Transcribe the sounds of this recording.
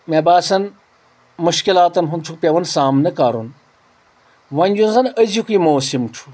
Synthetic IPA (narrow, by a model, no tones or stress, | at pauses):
mebaːsɐn | muʃkilaːt̪ɐnɦunt͡ʃʰuk̚pʲeʋɐnsaːmnɐkaːɾun | ʋɐnʲd͡ʒunzɐnəzikiːmoːsimʈ͡ʂʰu̥